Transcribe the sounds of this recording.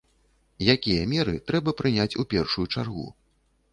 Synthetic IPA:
jakʲijɐmʲɛɾɨt̪ɾɛbɐpɾɨnʲat͡sʲupʲɛrʂujut͡ʂarɣṵ

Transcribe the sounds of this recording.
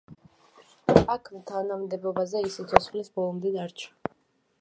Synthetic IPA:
akʰmt̪ʰanamd̪ɛbɔbazɛisit̪sʰɔsχlisbɔlˠɔmd̪ɛd̪aɾt͡ʃʰḁ

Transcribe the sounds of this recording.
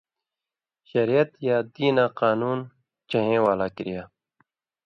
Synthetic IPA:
ɕɐɾijɐt̪jaːd̪iːnaːqaːnuːn | t͡ʃɐɦẽːwaːlaːkiɾijaː

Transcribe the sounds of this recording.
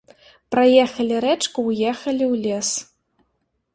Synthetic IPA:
pɾɐjɛxɐlʲiɾɛt͡ʂkuwjɛxɐlʲiwlʲes

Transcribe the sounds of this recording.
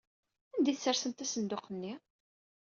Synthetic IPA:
ænd̪iθəsːəɾsənt̪æsənd̪oqənːi

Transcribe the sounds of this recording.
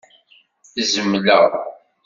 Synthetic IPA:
izəmːləʁˤ

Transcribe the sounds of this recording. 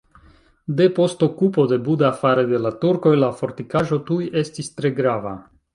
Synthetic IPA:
de̞po̞sto̞kupo̞de̞budaːfaɾe̞de̞latuɾko̞jlafo̞ɾtikaʒo̞tujʔe̞stistɾe̞ɡɾava̰

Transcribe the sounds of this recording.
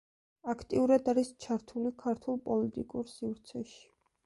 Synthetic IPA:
akʰt̪ʼiuɾad̪aɾist͡ʃʰaɾt̪ʰulikʰaɾt̪ʰulˠpʼɔlit̪ʼikʼuɾsivɾt̪sʰɛʃi̥

